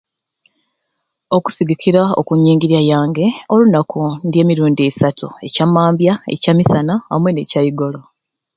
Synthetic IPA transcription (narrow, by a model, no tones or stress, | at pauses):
o̞ku̥siɡikiɾao̰kuɲːiːŋɡiɾiajaːŋɡe̞o̞lunakundje̞ːmiɾuːndiesatue̞camːaːmbjae̞̰camisanaːmwe̞ne̞ːcaiɡo̞lo